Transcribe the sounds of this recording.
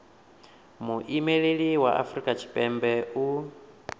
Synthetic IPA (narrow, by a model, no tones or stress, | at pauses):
muʔimeɺeɺiwaʔa̰fɾikʼat͡ʃʰi̥pʼɛmbɛu